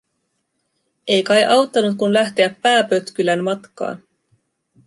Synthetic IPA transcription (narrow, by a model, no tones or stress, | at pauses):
e̞jkɑjʔɑwt̪ːɑnut̪kunlæht̪e̞æpːæːpø̞t̪kylænmɑt̪kɑ̰ːn